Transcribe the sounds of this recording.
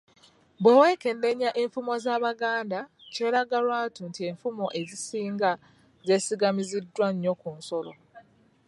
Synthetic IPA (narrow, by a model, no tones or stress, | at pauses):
bwe̞weːke̞nde̞ɲːaʔeɱfumo̞zaːβaɡaːndace̞ːɾaɡaɾwaːtuntie̞ɱfumo̞ʔe̞zisiːŋɡa | ze̞siɡamizidːwaɲːo̞kunso̞lo̰